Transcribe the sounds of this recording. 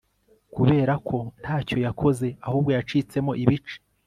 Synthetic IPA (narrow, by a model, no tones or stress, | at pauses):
kuβe̞ːɾakʰo̞n̥haːco̞jakʰo̞ze̞ahuːb̚ɡo̞jat͡ʃiːt͡se̞mo̞ʔiβit͡ʃe̥